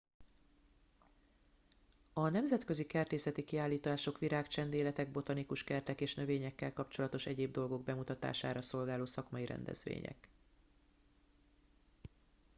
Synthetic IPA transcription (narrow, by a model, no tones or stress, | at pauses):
ɒnɛmzɛt̪kø̞zikɛrt̪eːsɛt̪ikiaːlːiːt̪aːʃo̞kʋiɾaːkt͡ʃɛnd̪eːlɛt̪ɛɡ̚bo̞t̪ɒnikuʃkɛrt̪ɛkeːʃnø̞veːɲɛkːɛlkɒpt͡ʃo̞lɒt̪o̞ʃɛɟeːb̚d̪o̞lɡo̞ɡ̚bɛmut̪ɒt̪a̰ːʃa̰ːɾɒso̞lɡaːloːsɒkmɒjiɾɛ̰nd̪ɛ̰z̥ʋḛːɲɛ̰k